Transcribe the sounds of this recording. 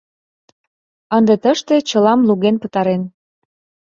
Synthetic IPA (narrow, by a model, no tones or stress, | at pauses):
ənd̪et̪əʃt̪et͡ɕəlɑmluɣenpət̪ɑɾen